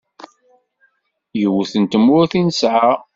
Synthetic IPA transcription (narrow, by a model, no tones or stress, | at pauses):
jəwəθənt̪əmːʊɾθinəsʕa